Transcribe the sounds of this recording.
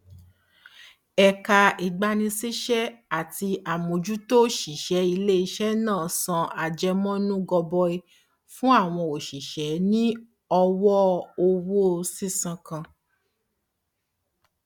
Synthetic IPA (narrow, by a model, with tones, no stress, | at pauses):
ɛ˨ka˧i˨ɡ͡ba˧nĩ˧si˦ʃɛ˦a˦˨ti˧ʔa˨mo˨d͡ʒu˦to˦ʃi˨ʃɛ˨˦i˧le˦i˧ʃɛ˦nãː˦˨sã˧a˨d͡ʒɛ˧mɔ̃˦nũ˦ɡɔ˧bɔ˧i˧ | fũ˦a˦˨w̃ɔ̃˧o˨ʃi˨ʃɛ˨˦nĩ˦ | ɔ˧wɔ˦o˧wo˦˧si˦sã˧kã˧